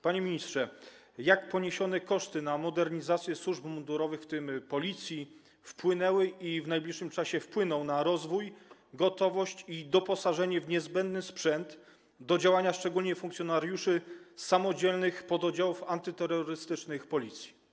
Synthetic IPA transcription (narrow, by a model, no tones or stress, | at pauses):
paɲemʲiɲist̪ʂɛ | jakpɔɲeɕɔnɛkɔʂt̪ɘnamɔd̪ɛɾɲizat̪sʲjɛswuʐbmud̪uɾɔvɘxft̪ɘmpɔlʲit̪sʲji | fpwɘnɛwɘʔivnajblʲiʂːɘmt͡ʂaɕɛfpwɘnɔ̃w̃naɾɔzvujɡɔt̪ɔvɔɕt͡ɕid̪ɔpɔsaʐɛɲɛvɲɛzbɛnd̪nɘspʂɛnd̪ | d̪ɔd͡ʑawaɲaʂt͡ʂɛɡulʲɲɛfuŋkt̪sʲjɔnaɾjuʂɘsamɔd͡ʑɛlnɘxpɔd̪ɔd͡ʑawufant̪ɘt̪ɛɾːɔɾɘst̪ɘt͡ʂnɘxpɔlʲit̪sʲji̥